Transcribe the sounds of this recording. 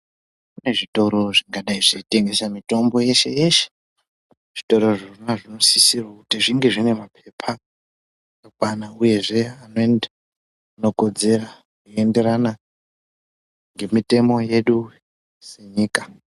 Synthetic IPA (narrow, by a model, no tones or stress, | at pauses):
kune̞ʐito̞ɾo̞ʐiŋɡaɗaiʐiite̞ŋɡe̞samito̞mbo̞je̞ʃe̞je̞ʃe̥ | ʐ̥ito̞ɾo̞ʐirnaʐino̞sisirwakutiʐiŋɡeʐine̞mapʰe̞pʰa | jokwanauje̞ʐe̞anoena | ano̞ko̞d͡ze̞ra | kue̞nde̞ɾana | ŋɡe̞mite̞mo̞je̞ɗu | se̞ɲiːkḁ